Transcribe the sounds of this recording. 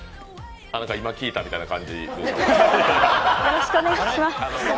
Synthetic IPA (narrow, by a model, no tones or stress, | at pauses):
nãŋkaimakʲiːt̪amʲit̪ainakã̰ɲ̟d͡ʑḭɯ̰ | joɾoɕi̥kɯo̞neɡatɕimas